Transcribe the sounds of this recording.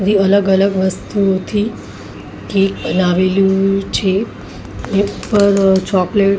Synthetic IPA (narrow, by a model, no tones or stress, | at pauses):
ɾiələɡələɡʋəst̪uot̪ʰi | kekbənaʋeljũt͡ʃʰe | neupːəɾt͡ʃɔkleʈ